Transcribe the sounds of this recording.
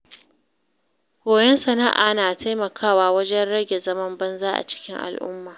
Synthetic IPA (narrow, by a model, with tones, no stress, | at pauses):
ɡ̥ʷoː˨jɛ˦nsɐ˨na˦ʔa̰ː˨naː˨ta˦jmɐ˨kʰaː˦waː˦wɐ˦d͡ʒɛ˦nɽɐ˦ɡʲe˨zɐ˦mɐ˦mbɐ˦nzaː˦ʔa̰˨t͡ʃɪ̥˦kʲɪ˦ŋʔa̰˨lʔʊ̰˦mːaː˨